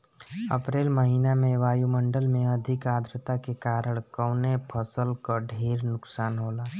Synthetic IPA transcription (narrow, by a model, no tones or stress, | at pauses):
ə̰pɾeːlməɦiːnamẽʋaːjumə̃ɳɖəlmẽəd̪ʱɪkaːd̪ɾət̪akekaːɾəɽ̃kəːnepʰəsəlkaɖʱeːɾnʊksaːnɦoːlaː